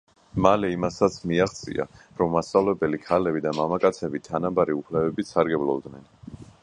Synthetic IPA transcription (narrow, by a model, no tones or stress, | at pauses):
malɛimasat̪sʰmiaχt̪sʼḭa̰ | ɾɔmːasavlɛbɛlikʰalɛbid̪amamakʼat̪sʰɛbit̪ʰanabaɾiupʰlɛvɛbisʰaɾɡɛblˠɔ̰bd̪nɛn